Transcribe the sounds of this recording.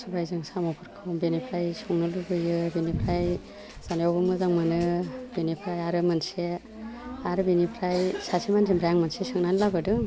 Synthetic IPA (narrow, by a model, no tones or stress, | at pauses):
subajzɯŋsamɔpʰɯɾkʰɯwmbenipʰɾajsuŋnɯlubɯjɯbinipʰɾaj | z̥anɔbɯmɯzaŋmɯnɯb̥inipʰɾajaɾɯmanse | aɾɯbinipʰɾajsasʰimanzimbɾaŋmansesɯŋnanlabɯdɯŋ